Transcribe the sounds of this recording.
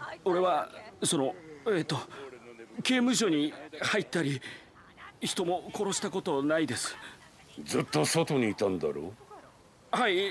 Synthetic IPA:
o̞ɾe̞βaso̞no̞e̞ːt̪ːo̞ | ke̞ːmɯ̟ɕ̬o̞ɲ̟ihait̪ːaɾʲi | çi̥t̪o̞mo̞ko̞ɾo̞ɕi̥t̪ako̞t̪o̞naid̪e̞sɨ̥ | d͡zɨt̪ːo̞sot̪o̞ɲ̟iːt̪ãnd̪aɾo̰ | hai

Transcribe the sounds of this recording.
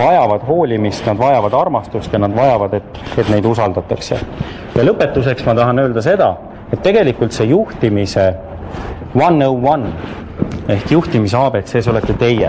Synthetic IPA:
vɑjɑvɑd̪̥ɦo̞ːlʲimist̪nɑd̪̥vɑjɑvɑd̪ɑrmɑst̪ust̪jɑnɑd̪vɑjɑvɑd̪e̞t̪ːe̞t̪ne̞jd̪̥usɑld̪̥ɑt̪ːˑɑksḛ | jɑlɤpːˑe̞t̪ːˑus̬e̞ksmɑt̪ɑɦɑnø̞ːld̪ɑse̞d̪̥ɑ | e̞t̪ːe̞ɡ̥e̞likult̪se̞juht̪imise̞ | wɑnːowwɑn | e̞hkjuht̪imiseɑːb̥e̞t̪se̞ːsolet̪ːˑet̪e̞jːe

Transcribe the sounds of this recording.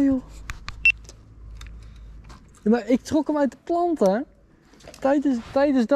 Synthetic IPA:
maːɹɪk̚trɔkəmœɥt̚dəplɑntə | tɛjdtɛjdəzd

